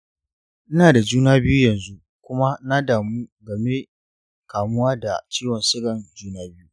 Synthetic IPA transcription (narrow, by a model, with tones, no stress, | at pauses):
ʔɪ˦naː˨da˨d͡ʒuː˦naː˦bɪ˦ju˦jɐ˨nzu˦ | kʷʊ˦ma˦na˦daː˨mu˦ɡɐ˨me˦ | kaː˨mʊ˦waː˦da˨t͡ʃiː˦wɔ˨nsɪ˦ɡɐ˨nd͡ʒuː˦naː˦bɪ˦ju˦